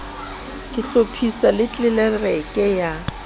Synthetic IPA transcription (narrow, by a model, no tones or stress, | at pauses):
kʼɪɬopʰisalɪt͡ɬʼɪlɛrɛkʼɛja